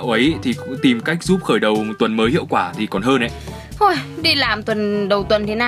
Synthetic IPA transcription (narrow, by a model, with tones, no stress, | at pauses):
wʔə˨˦jt̪ʰi˨˩kʊ̰˧˥ŋ͡mt̪i˨˩mka˦˥jk̟̚zu˦˥p̚xəː˧˩jɗə˨˩wm˨˩t̚t̪wə˨˩nməː˨˦jhḭ˧˨əwkwaː˧˩t̪ʰi˨˩kɔ˨˩nɦəː˧nʔə̰˨˦ | ʔo˧˩jɗi˧laː˨˩mt̪wə˨˩nɗə˨˩wt̪wə̰˨˧˨nt̪ʰe˨˦naː˨